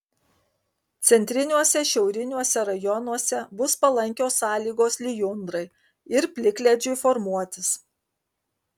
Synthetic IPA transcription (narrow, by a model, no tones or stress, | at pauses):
t̪sʲɛnʲt̪ʲɾʲɪnʲuɔsʲɛʃʲɛʊɾʲɪnʲuɔsʲɛɾɐjɔnuɔsʲɛbʊspɐlˠɐŋʲkʲoːsːɑːlʲiːɡoːslʲɪjʊnd̪ɾɐɪ | ɪɾpʲlʲɪklʲɛd͡ʒʲʊɪfɔɾmuɔt̪ʲɪs